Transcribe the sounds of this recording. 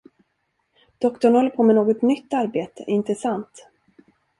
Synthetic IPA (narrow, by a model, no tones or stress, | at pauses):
d̪̥ɔkt̪ɔɳhɔlːəɾpʰoːmɛnoːɡɔt̪nʏt̪ːaɾbeːt̪ə̰ɪnt̪ɾəsant̪